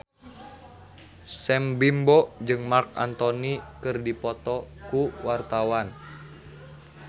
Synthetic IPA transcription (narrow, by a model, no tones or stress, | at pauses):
sɛmbimbɔd͡ʒɨŋmarka̰nt̪ɔnikɨrdipɔt̪ɔkuwart̪awan